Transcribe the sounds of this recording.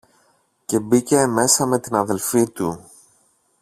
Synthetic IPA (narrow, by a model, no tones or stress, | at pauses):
ce̞bice̞me̞sɐme̞t̪inɐðe̞lfit̪u